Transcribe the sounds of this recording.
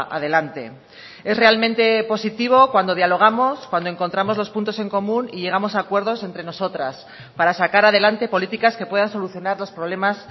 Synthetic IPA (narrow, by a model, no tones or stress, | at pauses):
ʔa̰ðe̞lant̪e̞̰ | e̞zre̞almẽnt̪e̞po̞sit̪iβ̞o̞kwand̪o̞ðjalo̞ɣ̞amo̞skwand̪o̞e̞ŋko̞nt̪ɾamo̞zlo̞spunt̪o̞se̞ŋko̞mũniʝe̞ɣ̞amo̞sakwe̞ɾð̞o̞sent̪ɾe̞no̞so̞t̪ɾas | paɾasakaɾaðe̞lant̪e̞po̞lit̪ikaske̞pwe̞ð̞anso̞luθjo̞naɾlo̞spɾo̞β̞le̞mas